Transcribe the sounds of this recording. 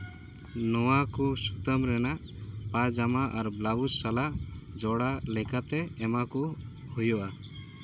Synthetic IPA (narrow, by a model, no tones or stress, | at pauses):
nɔwakusut̪əmɾɛnaʔ | pad͡ʒamaʔaɾblaɡusalad͡ʒɔɽalɛkat̪ɛːmaku | hujɔʔa